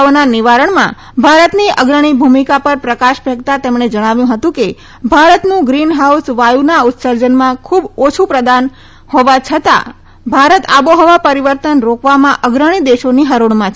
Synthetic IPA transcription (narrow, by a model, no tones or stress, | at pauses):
ʋnanɪʋaɾəɳmã̰ | bʱaɾət̪niəɡɾəɽ̃ibʱumikapəɾpɾəkaʃbʱəɡt̪at̪emɳ̃ed͡ʒəɽ̃aʋjũɦət̪ũke | bʱaɾət̪nũɡɾinɦausʋajunaʊt̪ːsəɾd͡ʒənmãkʰubot͡ʃʰupɾəd̪an | hoʋat͡ʃʰət̪a̰ | bʱaɾət̪a̰boɦɔʋapəɾiʋəɾt̪ənɾokʰʋamãʔəɡɾəɽ̃id̪eʃoniɦəɾuɳ̃mãt͡ʃʰ